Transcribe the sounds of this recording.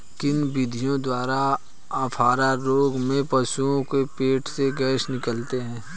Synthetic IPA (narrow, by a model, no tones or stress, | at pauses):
kɪnbɪd̪ʱijõd̪waːɾa | aːpʰaːɾaɾoːɡmẽpəsuõkepeːʈʰseɡɛːʃnɪkəlt̪eɦɛ̃ː